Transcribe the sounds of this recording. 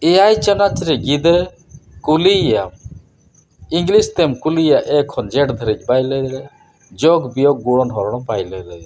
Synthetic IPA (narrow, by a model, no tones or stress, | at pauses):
ɛjajt͡ʃənat͡ʃɾɛɡid̪ə | kuliam | iŋɡlist̪ɛmkulijaʔɛkʰːɔnd͡ʒɛʈd̪ʱəɾit͡ʃ̚bajlɛɾɛ | d͡ʒɔɡbijɔɡ̚ɡuɽɔnɦɔɾɔɽɔmpajlɛɾɛ